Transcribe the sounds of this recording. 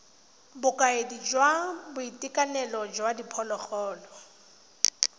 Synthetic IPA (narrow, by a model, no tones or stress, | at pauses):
bʊkʼaedid͡ʒwabʊitʼikʼanɛlɔd͡ʒwadipʰɔlɔχɔːlɔ